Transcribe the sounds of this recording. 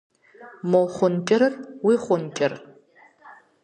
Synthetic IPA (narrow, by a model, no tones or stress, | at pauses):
molχʷʊnt͡ʃʼɐɾɐrwiːχʷʊnt͡ʃʲʼɪr